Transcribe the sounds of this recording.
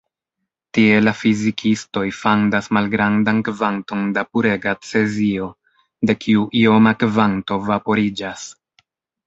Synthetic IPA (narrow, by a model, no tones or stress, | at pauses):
tie̞lafizikʰisto̞jfandasmalɡɾandankvanto̞ndapuɾe̞ɡat͡se̞zio̞ | de̞kʰiuʔio̞makvanto̞vapo̞ɾid͡ʒas